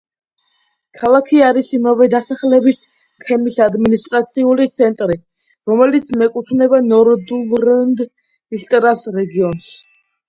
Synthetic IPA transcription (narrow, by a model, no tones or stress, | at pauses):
kʰalˠakʰiaɾisimavɛd̪asaχlɛbis | k̪ʰɛmisad̪minist̪ʼɾat̪sʰiulit̪sʰɛnt̪ʼɾi | ɾɔmɛlit̪sʰmɛkʼut̪ʰnɛbanɔɾd̪ulˠɾɛnd̪ | ist̪ʼɾasɾɛɡiɔns